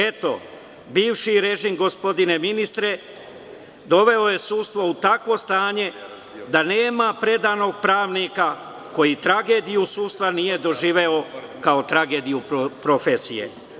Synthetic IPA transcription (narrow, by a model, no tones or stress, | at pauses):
e̞t̪o̞̰ | biːʋʃiɾe̞ʒimɡo̞spo̞d̪ine̞minist̪ɾe̞ | d̪o̞ʋe̞o̞je̞suːst̪ʋo̞ut̪akʋo̞st̪aːɲe̞ | d̪ane̞ːmapɾe̞d̪ano̞ɡ̚pɾaːʋnika | ko̞jit̪ɾaɡe̞ːd̪ijusuːst̪ʋanije̞d̪o̞ʒiːʋe̞o̞kaot̪ɾaɡe̞ːd̪ijuppɾo̞fe̞sijḛ